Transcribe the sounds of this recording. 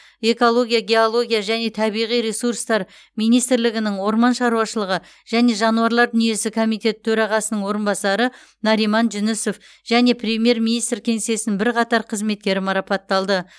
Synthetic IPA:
e̞ko̞lˠo̞ɡʲijaɡʲe̞o̞lˠo̞ɡʲijaʒæne̞t̪ʰɑbijʁijɾe̞suɾst̪ɑɾ | mijnijst̪ɾlɪɡʲɪnɪŋwo̞ɾmɑnʃɑɾuwɑʃəlˠəʁə | ʒ̥æne̞ʒɑnuɑɾlˠɑɾd̪ʏnije̞sɪkʰo̞mijt̪ʲe̞t̪t̪ʰɵɾɑʁɑsənəɴwo̞ɾənbɑsɑɾə | nɑɾijmɑnʒɪnɪso̞f | ʒ̥æne̞prʲemʲije̞ɾminijst̪ɾkʲʰe̞ŋse̞sɪnbɪɾqʰɑt̪ɑɾqʰəzme̞t̪̚kʲe̞ɾɪmɑɾɑpɑt̪ːɑlˠd̪ə

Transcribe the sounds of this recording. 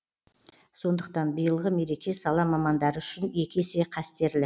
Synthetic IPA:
so̞nd̪əq̚t̪ɑnbijəlˠʁəme̞ɾe̞kʲe̞sɑlˠɑmɑmɑnd̪ɑɾəʏʃɪne̞kʲe̞se̞qʰɑst̪e̞ɾlɪ

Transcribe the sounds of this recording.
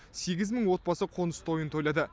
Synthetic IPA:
se̞ɡʲɪzməɴwo̞t̪̚bɑsəqʰo̞nəst̪ʰo̞jənt̪ʰo̞jlˠɑd̪ə

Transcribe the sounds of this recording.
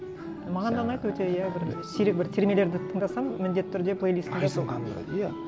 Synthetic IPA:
mɑʁɑnd̪ɑnɑjt̪əwɵt̪e̞jæbɪɾsiɾɪk̚bɪɾt̪ʰe̞ɾmijele̞ɾd̪ɪt̪ʰəɴd̪ɑsɑmːɪnd̪e̞t̪ːɪːʏɾd̪e̞pʰlˠejlˠist̪d̪es

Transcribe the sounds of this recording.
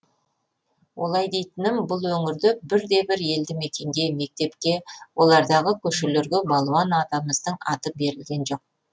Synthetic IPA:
wʔo̞lˠɑjd̪e̞jt̪ɪnɪmbʊlˠwɵŋɪɾd̪ɪbɪɾd̪e̞bɪɾje̞ld̪ɪme̞kʲe̞ŋɡʲe̞me̞k̚t̪e̞pkʲe̞wʔo̞lˠɑɾd̪ɑʁəkʲʰɵʃeleɾɡʲɪbɑlˠuwɑnɑd̪ɑməzd̪əɴɑt̪əp̚be̞ɾɪlɡʲe̞nʒo̞q̚

